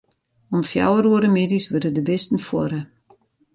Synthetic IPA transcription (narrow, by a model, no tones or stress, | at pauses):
ɔmfja̰wəɾuəɾəmeːdisʋørdədəbɪstən̩fwɔɾə